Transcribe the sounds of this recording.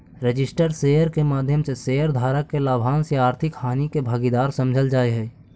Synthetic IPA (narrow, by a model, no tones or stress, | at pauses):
ɾed͡ʒɪsʈəɾseːjəɾkemaːd̪ʱjəmsesejəɾd̪ʱaːɾəkːelaːbʱaːnseaːɾt̪ʰɪkhaːnikebʱəɡid̪aːɾsəmd͡ʒʱəld͡ʒaːeɦɛː